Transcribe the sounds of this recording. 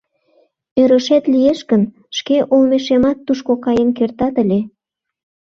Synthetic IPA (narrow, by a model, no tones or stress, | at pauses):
øɾəʃet̪lijeʃkən | ʃkeʔolmeʃemɑt̪ːuʃkokɑjənkert̪ɑt̪əlʲe